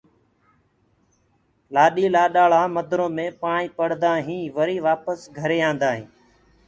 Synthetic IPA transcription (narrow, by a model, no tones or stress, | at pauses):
laːɗiːlaːɗaːɭaːməd̪ʱɾõːmẽːpãːɳĩːpəɽ̤d̪aːɦĩːʋəɾiːʋaːpəsɡʱəɾeːãːnd̪aːɦĩː